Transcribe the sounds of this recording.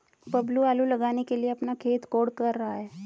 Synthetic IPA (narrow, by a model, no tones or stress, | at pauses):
pəbluaːlulɐɡaːnekelieɐpnakʰeːt̪koːɽkəɾːaaɦɛː